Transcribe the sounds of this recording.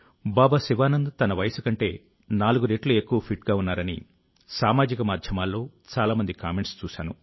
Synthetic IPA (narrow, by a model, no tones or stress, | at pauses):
baːbasiʋaːnɐnd̪ut̪ɐnɐʋɐjɐsɐkɐɳʈe̞̰ː | naːluɡuɾeːʈluekːuʋɐpʰiʈɡaːunːaːɾɐnḭ | saːmaːd͡ʒikɐmaːd̪ʱjɐmaːlːo̞ː | t͡ʃaːlaːmɐnd̪ikaːme̞ɳʈst͡ʃuːʃa̰ːnṵ